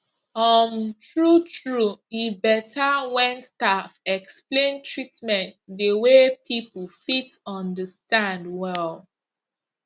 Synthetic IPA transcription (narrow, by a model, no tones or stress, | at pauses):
ɔmtɹutʰɹuibɛtʰawɛ̃nstafɛksplẽntʰɹitmɛ̃ntdəwepʰipl̩fit | ɔ̃ndəstãndwɛl